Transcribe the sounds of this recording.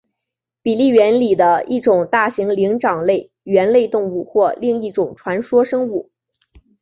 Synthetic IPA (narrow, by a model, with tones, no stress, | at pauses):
pi˨˩li˥˩ɥɛ˧˥nli˨˩d̪ə˦i˥˩ʈ͡ʂʊ˨˩ŋt̪a˥˩ɕi˧˥ŋli˧˥ŋʈ͡ʂɑ˨˩ŋle˥˩ɪ | ɥɛ˧˥nle˥˧ɪt̪ʊ˥˧ŋu˥˧xwɔ˥˧li˥˧ŋi˥˩ʈ͡ʂʊ˨˩ŋʈ͡ʂʰwa˧˥nʂwɔ˥ʂɤ˥ŋu˥˩